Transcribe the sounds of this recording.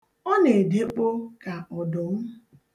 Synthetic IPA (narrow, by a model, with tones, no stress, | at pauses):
ɔ˦ne˨de˦k͡po˦ka˨ɔ˨dʊ˨m̩˦